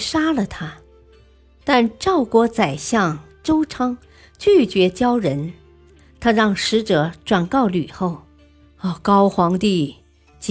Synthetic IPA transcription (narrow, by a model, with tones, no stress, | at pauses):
ʂa˥lə˨t̪ʰa˥ | t̪a˥˧nʈ͡ʂɑ˥˩ʊkwɔ˧˥t͡sa˨˩ɪɕjɑ˥˩ŋʈ͡ʂo˥ʊʈ͡ʂʰɑ˥ŋ | t͡ɕy˥˩t͡ɕɥɛ˧˥t͡ɕjɑ˥ʊɻə˧˥n | t̪ʰa˥ɻɑ˥˩ŋʂɻ̩˧˥ʈ͡ʂɤ˨˧˥ʈ͡ʂwa˨˩nkɑ˥˩ʊly˨˩xo˥˩ʊ˧˩ | kɑ˥ʊxwɑ˧˥ŋt̪i˥˩ | t͡ɕ